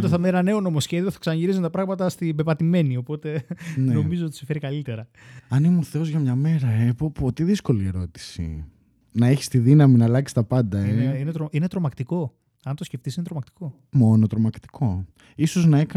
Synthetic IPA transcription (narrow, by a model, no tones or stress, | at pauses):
t̪eθɐmenɐne̞o̞no̞mo̞sçe̞ðioθɐ̥ksɐnɐʝiɾizent̪ɐpɾɐɣmɐt̪ɐst̪ibe̞pɐt̪ime̞nio̞po̞t̪e̞nno̞mizoot̪isife̞ɾikɐlit̪e̞ɾɐ | ɐnimoθe̞o̞zʝɐmɲɐme̞ɾɐepopot̪iðisko̞lie̞ɾo̞t̪i̥sḭ | nɐeçi̥st̪iðinɐminɐlɐksi̥st̪ɐpɐnd̪ɐeinet̪ɾoine̞t̪ɾo̞mɐkt̪iko̞ | ɐnt̪osceft̪isinet̪ɾomɐkt̪iko̞ | mo̞not̪ɾomɐkt̪i̥kʰo̞ | isoznɐekɐ